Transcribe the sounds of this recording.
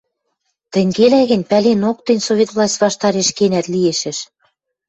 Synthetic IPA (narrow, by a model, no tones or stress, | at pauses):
t̪ɘ̆ŋɡelæɣɘ̆nʲpælenok̚t̪ĕnʲsovʲet̪vlˠɑsʲt̪ʲvɑʃt̪ɑɾeʃkenæt̪lieʃɘ̆ʃ